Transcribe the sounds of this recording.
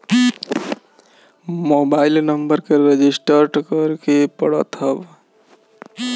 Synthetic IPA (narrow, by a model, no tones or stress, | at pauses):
moːbaːɪlnəmbəɾkeɾed͡ʒɪsʈəɾʈkəɾkepəɽə̰t̪ʰəb